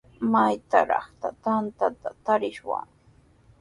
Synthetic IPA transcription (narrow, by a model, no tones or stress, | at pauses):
majt̪a̰ɾɑ̰χt̪at̪ant̪at̪at̪aɾɪʃwa̰ŋ